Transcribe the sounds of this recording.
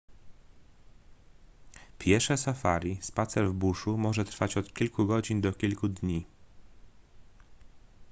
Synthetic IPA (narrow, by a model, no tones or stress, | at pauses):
pʲʰjɛʂɛsafa̰ɾʲispat̪sɛɾvbuʂumɔʐɛt̪ɾfat͡ɕɔt̪kʲilkuɡɔd͡ʑind̪ɔkʲilkud̪ɲi